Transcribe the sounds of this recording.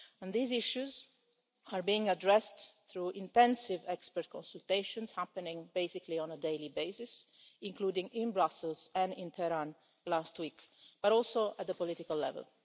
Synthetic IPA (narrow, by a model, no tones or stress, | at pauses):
ɛ̃nðiːzɪʃuz | aɹbiɪ̃ŋadɹɛst̪θɹuʔɪ̃nt̪ɛ̃nsɪvɛkspəɾt̪̚kʰɔ̃nsult̪eɪʃɔ̃nz̥hapənɪ̃ŋbeɪsɪkliɔ̃nəd̪elibeɪsɪsɪ̃ŋkluːd̪ɪ̃ŋɪ̃nbɹasəlzɛ̃nɪ̃nt̪ʰɛɾãn | last̪wikb̥aɾɔlsoæt̪̚d̪əpɔlɪt̪ikalːɛ̰vɛ̰l